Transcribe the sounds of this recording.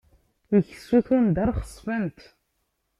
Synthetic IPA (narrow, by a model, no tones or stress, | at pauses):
iç̥suθund̪æɾˤχəsˤfænt̪